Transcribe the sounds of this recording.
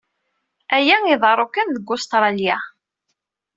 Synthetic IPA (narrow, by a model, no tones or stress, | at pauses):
æjæŋiðˤəɾˤokənðəɡːʊst̪ɾˤɑljæ